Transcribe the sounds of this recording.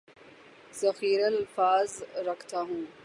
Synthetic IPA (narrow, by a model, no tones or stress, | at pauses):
z̥ɐxiːɾallfaːzɾɐkt̪aːɦũː